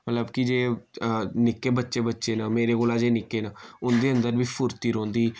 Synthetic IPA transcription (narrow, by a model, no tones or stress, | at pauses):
mət̪ləbkɪd͡ʒeː | nɪkːeːbətːʃeːbətːʃeːnaːmeːɾeːɡoːlaːd͡ʒeːnɪkːeːnaːʊnd̪eːə̃nd̪əɾʋiːpʰʊɾt̪iːɾõːnd̪iː